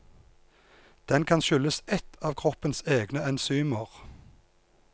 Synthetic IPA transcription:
d̪̥ɛnkʰɑnʃʏləsɛt̪ʰɑːʋkʰʁɔpənseːɡnəɛnsyːməʁ

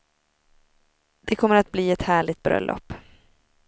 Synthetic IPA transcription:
d̪̥ɛkʰɔmːəɾat̪̚bliːɛt̪hæːɭɪt̪̚bɾœ̰lːʔɔ̰pː

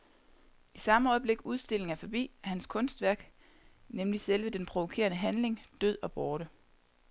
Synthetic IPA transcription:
isɑ̈məɒ̽ɪb̥le̝ɡ̥uðˠsd̥e̝l̰e̝ŋæɐfɒ̽b̥ḭːæhænskʰɔ̽nsd̥ʋæɐɡ̥ | nemliselʋəd̥enpʰʁo̝ʋo̝kʰe̝̰ɐnəɦænle̝ŋd̥øð̞̰ˠɒ̽b̥ɒːɾə

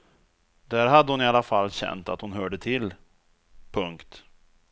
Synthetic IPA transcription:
d̪æɾɦad̪ːəhʊnɪalːafalːɕɛ̰nt̪a̰t̪hʊnɦœːɖət̪ʰɪlː | pʰɵŋkt̪

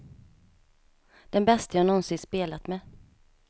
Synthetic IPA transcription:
d̪̥ɛnbɛst̪ajɑːnɔnsɪnspeːlat̪mɛ

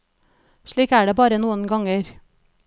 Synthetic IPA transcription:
ʃɭiːkæːɖeːbɑːɾənuːənɡɑŋəɾ

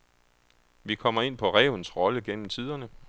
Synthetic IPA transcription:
ʋikʰɒ̽m̰ɐe̝n̰pʰɒ̽ʁɛːʊnsʁɒ̽ləɡ̥en̰m̩t͡sʰið̞̰ˠɐnə

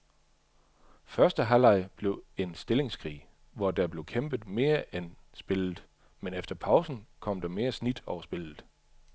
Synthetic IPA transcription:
fɶɐsd̥əɦælɑ̈ɪb̥le̝ʊe̝nsd̥e̝le̝ŋskʰʁḭː | ʋɒd̥æb̥le̝ʊkʰem̰b̥əð̩ˠme̝ːɐʔensb̥e̝lð̩ˠ | menefd̥ɐpʰɑ̈ʊsn̩kʰɒ̽m̰d̥ɑ̈me̝ːɐsnid̥ɒʊɐsb̥e̝l̰ð̩ˠ

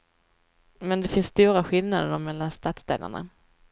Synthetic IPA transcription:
mɛnd̪ɛfɪnst̪uːɾaɧɪlnad̪əɾɔmɛlːanst̪at̪sd̪ḛːla̰ɳa̰

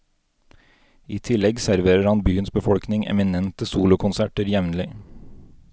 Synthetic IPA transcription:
iːt̪ʰɪlɛɡsæɾʋeːɾəɾhɑnbyːənsbəfɔɽknɪŋʔɛ̰mɪnɛnt̪əsuːlʊkʰʊnsæʈəɾjɛʋnlɪ

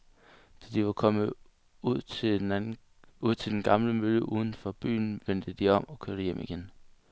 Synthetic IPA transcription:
d̥æd̥iʋɑ̈kʰɒ̽mə | uð̰ˠ | uð̰ˠt͡sʰe̝ld̥enɡ̥ɑ̈mləmøləʔuːð̞ˠn̩fɒ̽b̥y̰ːn̩ʋend̥əd̥iɒ̽m̰ɒ̽kʰøɐɾəjem̰ʔiɡ̥en

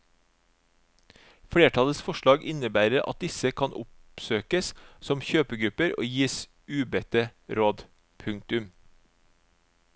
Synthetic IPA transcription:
fɽeːʈʰɑləsfɔʃlɑːɡɪnəbæːɾəɾʔɑ̰t̪̚d̪ɪsəkʰɑnʔʊ̰psøːkəssɔmçøːpəɡɾʉpəɾo̰ːjiːs | ʉːbɛt̪əɾoːd̪ | pʰʉŋk̚t̪ʉm

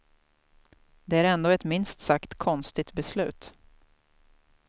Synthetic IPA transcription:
d̪ɛæɾɛnd̪oːɛt̪mɪnst̪sakt̪kʰɔnst̪ɪt̪bɛslʉ̟ːt̪

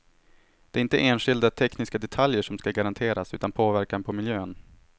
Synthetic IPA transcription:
d̪̥ɛæɾɪnt̪əʔeːnɧɪld̪at̪ʰɛknɪskad̪ɛt̪ʰaljəʂɔmskaɡaɾant̪ʰeːɾasʉ̟ːt̪anpʰoːvæɾkanpʰɔmɪljøːn

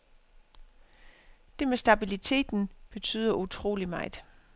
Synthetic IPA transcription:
d̥e̝mesd̥æb̥ilit͡sʰe̝̰ːd̥n̩b̥e̝t͡sʰy̰ːð̞̰ˠɐʔut͡sʰʁo̝̰ːlimɑ̈ɪd̥

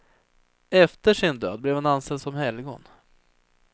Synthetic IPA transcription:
ɛft̪əʂɪnd̪ø̰ːd̪̚blɛvhananst̪ɛlsɔmhɛlɡɔ̰n

